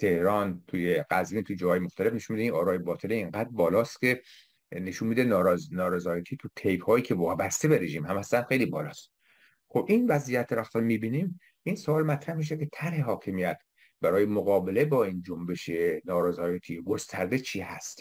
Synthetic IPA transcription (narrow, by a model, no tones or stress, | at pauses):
t̪ʰe̞hɾɒːnt̪ʰujeɢæzmiːnt̪ʰud͡ʒɒːhɒːjemoxt̪ʰæle̞fne̞ʃunmid̪einʔɒːɾɒːjebɒːt̪ʰelieŋɡæːd̪bɒːlɒːst̪ke̞ | ne̞ʃunmiːd̪enːɾznɒːɾezɒːjæt̪ʰiːt̪ʰut̪ʰejbhɒːjiːkʰevɒːbæst̪e̞beɾe̞ʒiːmhæmæslænxejliːbɒːlɒːst̪ | xobʔinvæzijæt̪ʰːeɾæxt̪ɒnmibiːniːm | insoɒːlmæt̪ʰɾæhmiʃ̬ekʲʰe̞t̪ʰæɾhe̞ɦɒːkʰe̞mijæt̪ | b̥æɾɒːje̞moɣɒːbe̞le̞bɒːiːnd͡ʒombe̞ʃenɒːɾezɒːjæt̪ʰiːeɡo̞st̪ʰæɾd̪et͡ʃʰiːhæst̪